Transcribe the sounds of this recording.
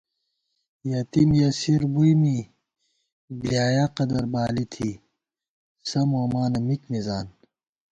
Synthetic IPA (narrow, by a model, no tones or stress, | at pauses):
jɐt̪imjɐsiɾbujmi | blijaːjaqɐd̪ɐɾbaːlit̪ʰi | sɐmoːmaːnɐmikmizaːn